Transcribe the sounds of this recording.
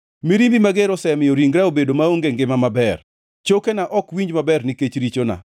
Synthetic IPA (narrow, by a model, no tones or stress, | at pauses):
miɾimbimaɡeɾɔsɛmɪjɔɾiŋɡɾaobedomaoŋɡeŋɡɪmamabɛr | t͡ʃokenaʔɔkwiɲd͡ʒmabɛrniket͡ʃɾit͡ʃona̰